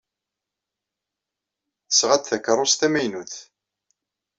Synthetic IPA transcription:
θə̥sʁæt̪θækːərˤːost̪æmæjnuθ

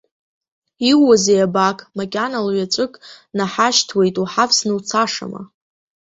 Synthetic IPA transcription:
iwazejabakʼmakʲʼanalɥat͡ʃʷʼɨkʼnaħaʃtʰwe̞jtʼuħavsnɨwt͡sʰaʂa̰ma̰

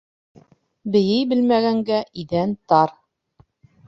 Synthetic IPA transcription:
bɘ̆jɘjbɘ̆lmæɡæŋɡæʔiðænt̪ɑɾ

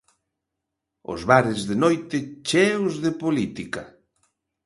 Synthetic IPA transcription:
ʊ̰zβaɾɪzðenojt̪ɪt͡ʃɛwzðepolit̪ika

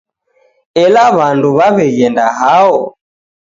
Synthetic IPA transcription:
ɛlaβanduβaβɛɣɛndaɦaɔ

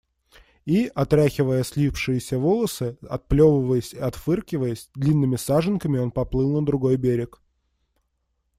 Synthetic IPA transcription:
iɐt̪ɾʲaxʲɪvəjəsʲlʲipʂɨjɪsʲəvolˠəsɨɐt̪̚plʲovəvəjəsʲiɐt̪fɨrkʲɪvəjəsʲd̪lʲinːɨmʲɪsaʐɨnkəmʲɪo̞npɐplˠɨlˠnəd̪ɾʊɡo̞jbʲeɾʲɪk

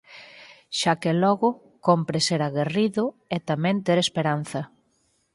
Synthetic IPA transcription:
ʃakelɔɣʊ | kompɾɪseɾaɣeriðʊ | et̪amɛ̃nt̪eɾespeɾan̟θɐ

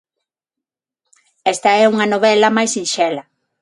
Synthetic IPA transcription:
ɛst̪ɐɛuŋɐnoβɛlɐmajsinʃɛlɐ

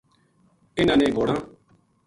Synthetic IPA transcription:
ɪnãːnẽːɡoːɽãː

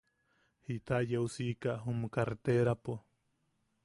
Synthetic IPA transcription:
hit̪aʔjeusikaʔɦumkaɾt̪eɾapo

